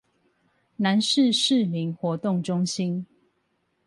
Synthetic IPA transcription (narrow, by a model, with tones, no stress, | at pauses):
na˨˦nʂɻ̩˥˨ʂɻ̩˥˨mi˨˦ŋxwɔ˨˦t̪ʊ˥˨ŋʈ͡ʂʊ˦ŋɕi˦n